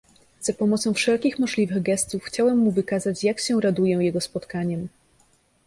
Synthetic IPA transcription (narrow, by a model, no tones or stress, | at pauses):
z̥apɔmɔt̪sɔ̃w̃fʂɛlkʲixmɔʐlʲivɘɣɡɛst̪ufxt͡ɕawɛmːuvɘkazat͡ɕjakɕɛɾad̪ujɛjɛɡɔspɔt̪kaɲɛm